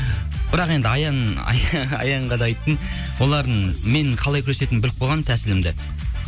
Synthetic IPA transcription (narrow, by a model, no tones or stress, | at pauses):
b̥ɪɾɑqe̞nd̪ɪɑjɑnɑ̰ɑ̰jɑɴʁɑd̪ɑɑjt̪ːən | wo̞lˠɑɾd̪əɴme̞ɴqʰɑlˠɑjkʲʰʏɾese̞t̪ɪnbɪʏlɪk̚bo̞lˠʁɑnt̪ʰæsɪlɪmd̪ɪ